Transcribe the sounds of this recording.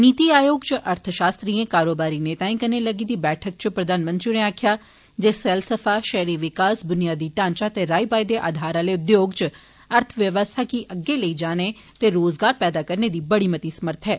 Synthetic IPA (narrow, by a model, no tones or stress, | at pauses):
niːt̪iaːjoːɡt͡ʃʔəɾt̪ʰʃaːst̪ɾiẽkaːɾoːbaːɾineːt̪aːĩkəneləɡiːd̪iːbɛːʈʰək̚t͡ʃpɾəd̪aːnmə̃nt̪ɾineaːkʰjaː | d͡ʒeːsɛːlsəpʰaːʃɛɦɾiʋɪkaːsd̪ʊnijaːd̪iːʈãːɲt͡ʃat̪eɾaːibaːjd̪eʔa̰ːd̪ʱaːɾaːleʊd̪joːɡt͡ʃ | əɾt̪ʰʋjəʋəst̪ʰaːkiʔəɡːeləid͡ʒaːne | t̪eːɾoːzɡaːɾpɛːd̪aːkəɾned̪iːbəɽiːmət̪isɐməɾt̪ʰɦɛː